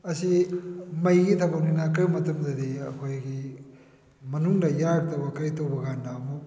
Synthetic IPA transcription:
ɐsimɐjɡitʰabɐnuŋakɐjmɐtɐmdɐdiɐ̰kʰojɡi | mɐnuŋdɐjaɡ̚tabɐkɐjtowbɐɡandamu

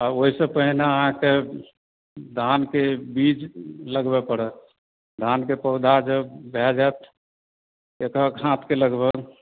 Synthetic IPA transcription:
aoɦisə̃pəɦinaəɦãke | d̪ʱankebit͡ʃləɡbepəɽɛ | d̪ʱankepəʊd̪ʱad͡ʒəbʱɛd͡ʒat̪ | ekakɦãt̪ʰkeləɡbʱəɡ

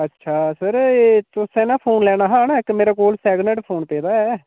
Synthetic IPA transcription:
ətːʃʰaːsəɾet̪ʊsẽnaːpʰoːnlɛːɽaːɦaːnɪkmeːɾaːkoːlsɛːɡnəʈpʰoːnpeːd̪aːɦɛː

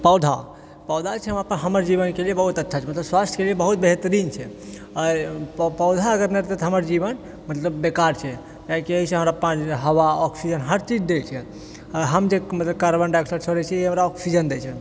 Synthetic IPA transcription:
pəwd̪ʱa̰ | pəwd̪ʱat͡ʃʰɛɦəmɾapəɾɦəməɾd͡ʒiβənkeliebəɦut̪ətːʃʰat͡ʃʰɛmət̪ləbswast̪ʰkeliebəɦut̪̚beɦt̪ɾint͡ʃʰɛ | ɔɾppəwd̪ʱaəɡəɾneɾt̪et̪ɦəməɾd͡ʒiβən | mət̪ləbːekaɾt͡ʃʰɛ | kaɦikieɦisẽɦəmɾapãɦəwaɔksid͡ʒənɦəɾt͡ʃid͡ʒd̪elt͡ʃʰɛ | əɾɦəmd͡ʒemət̪ləb̚kaɾbənɖaksəɾsʰəɾɛt͡ʃʰɛiɦəmɾaɔksid͡ʒənd̪ɛt͡ʃʰɛ

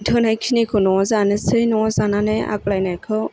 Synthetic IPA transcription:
tʰɯnajkʰinikʰɯnɔzanɯsɯjnɔzananɯa̰k̚lajnakʰɯ

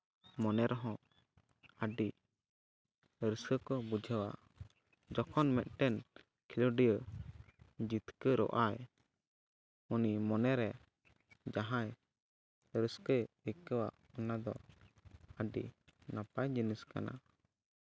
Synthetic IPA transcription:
mɔnɛɾɔɦɔ̃ | əɖi | ɾəskəkɔbud͡ʒʱəwa̰ʔ | d͡ʒɔkʰɔnmɛt̪̚ˀʈɛn | kʰilɔɖijə | d͡ʒit̪kəɾɔ̰ʔaj | unimɔnɛɾɛ | d͡ʒaɦãj | ɾəskəikəwa̰ʔ | ɔnad̪ɔ̰ | əɖḭnapajd͡ʒiniska̰na̰

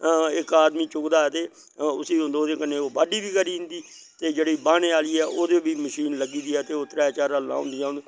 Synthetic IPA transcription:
ɪkaːd̪miːt͡ʃʊkd̪aːɛːt̪eː | ʊsiːɦʊ̃nd̪oːd̪eːkənẽːoːbaːɖiːbiːkəɾiːɪnd̪iː | t̪eːd͡ʒeːɽiːbaːñeːaːliːɛːʔoːd̪eːbiːməʃiːnləɡiːd̪iːɛːt̪eːot̪ɾaːɛːt͡ʃaːɾaːlã̰ːʊ̃nd̪iːãːnd̪

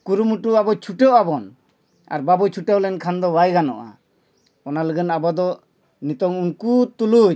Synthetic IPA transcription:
kuɾumuʈuabɔt͡ʃʰuʈɛwʔabɔn | a̰ɾbabɔt͡ʃʰuʈɛwlɛnkʰand̪ɔbajɡanɔʔa̰ | ɔnaləɡənabɔd̪ɔ | nit̪ɔŋunkut̪ulu

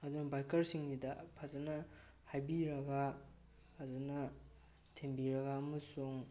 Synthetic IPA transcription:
ɐd̪unɐbajkʰɐɾsiŋnidɐpʰazɐnɐ | hajbiɾɐɡaː | zɐnɐ | tʰembiɾɐɡaɐmɐsuŋ

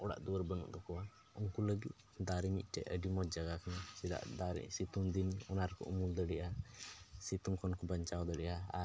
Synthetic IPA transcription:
ʔɔɽa̰ʔd̪uwəɾbənṵʔd̪ɔkɔwa | uŋkuləɡit̪̚ | d̪aɾimḭc̪̚ˀʈɛ̰ʔəɖimɔt̪̚d͡ʒaɡakʰanasila̰ʔd̪aɾḭʔsit̪umd̪inɔnaɾkɔ̰ʔṵmuld̪əɽɛʔa | sit̪uŋkɔnkɔbaɲt͡ʃawd̪əɽɛʔaa̰

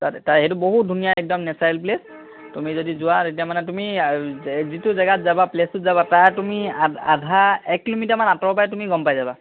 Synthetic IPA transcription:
tataɦɛtʊboɦut̚dʱunijaɛk̚dɔmnɛsajlp̬les | tumizodizʊwatetiamanɛtʊmi | zitʊzɛɡatzabaplestʊtzabataɹtumiaa̰dʱaɛkːilomitamanatɔpajɛtumiɡɔmpajzaba

